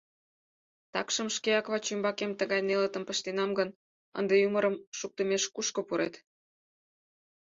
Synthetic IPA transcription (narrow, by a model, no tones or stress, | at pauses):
t̪ɑ̰kʃə̆mʃkeɑkβɑt͡ɕymbɑkemt̪əɣɑjnelət̪ə̆mpə̆ʃt̪enɑmɡən | ə̰nd̪ejuməɾəmʃuk̚t̪ə̆meʃkuʃkŏpuɾḛt̪